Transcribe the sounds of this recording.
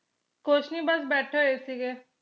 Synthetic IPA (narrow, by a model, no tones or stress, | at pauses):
kot͡ʃʰniːbəs̬bɛːʈʰeːɦeːsiːɡeː